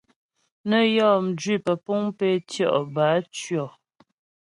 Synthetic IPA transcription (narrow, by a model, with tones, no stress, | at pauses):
nə˦jɔː˦˨m̩˨d͡ʒɥi˦˨pə˨pu˦ŋpe˦tjɔ̰˦˨ʔba˨˦t͡ʃjɔ˨